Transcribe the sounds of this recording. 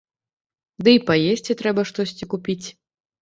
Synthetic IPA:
d̪ɨipajesʲt͡sʲit̪ɾɛbɐʂt̪ɔsʲt͡sʲikupʲit͡sʲ

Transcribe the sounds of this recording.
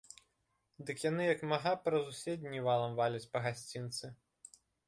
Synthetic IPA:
d̪ɨkjanɨjɐkmaɣapɾɐzusʲedʲnʲivalˠɐmvalʲɐt͡sʲpɐɣasʲt͡sʲint̪sɨ

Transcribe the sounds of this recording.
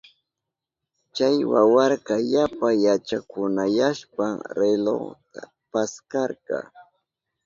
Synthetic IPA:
t͡ʃajwawɑɾkɑjapajat͡ʃakʊnajaʃpaɾelo̰t̪a | paskɑɾɢɑ̰

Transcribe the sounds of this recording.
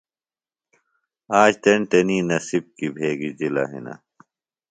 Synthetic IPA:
aːd͡ʑt̪ɐɳʈ̪ɐninɐsib̚kibʱeːɡid͡ʑila̰ɦḭna̰

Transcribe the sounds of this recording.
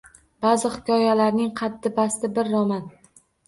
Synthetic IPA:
bazɪhɪ̥kʲʰɒjalaɾnɪŋqʰɑd̪ːɪbast̪ɪbɪɾːɒman

